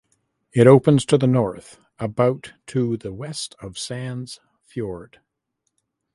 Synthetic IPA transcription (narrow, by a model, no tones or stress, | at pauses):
ɨɾoʊpə̃nz̥tʰɨðənɔɹθ | əbaʊtʰɨðɨwɛstʰʌv̥sæ̃nz̥ | fjɔɹd̥